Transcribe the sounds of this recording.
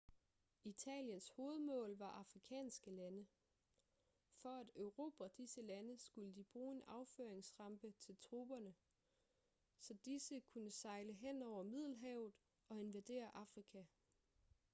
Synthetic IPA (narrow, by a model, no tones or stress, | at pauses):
it͡sʰɛ̰ːljənsho̝ːð̞̩ˠmɔ̰̽ːlʋɑ̈ʔɑ̈fʁikʰɛ̰ːnsɡ̥əlænə | fɒ̽æd̥øʊʁo̝̰ːb̥æɒd̥isəlænəsɡ̥uləd̥ib̥ʁuːe̝nʔɑ̈ʊføːɐeŋsʁɑ̈mb̥ət͡sʰe̝lt͡sʰʁuːb̥ɐnə | sɒ̽d̥isəkʰunəsɑ̈ɪləɦen̰ɒʊ̰ɐmið̞̰ˠl̩ɦɛʊð̩ˠ | ɒ̽e̝nʋæd̥e̝̰ːɐʔɑ̈fʁikʰæ